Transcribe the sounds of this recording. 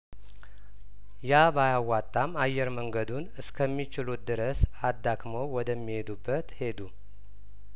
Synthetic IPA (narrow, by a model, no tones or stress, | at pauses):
jabajawːat̪ʼːamajːɛɾməŋɡəd̪unɨskʰəmːit͡ʃɪlut̪̚d̪ɨɾəsad̪ːakməwwɔd̪əmːihe̞d̪ubːət̪he̞d̪u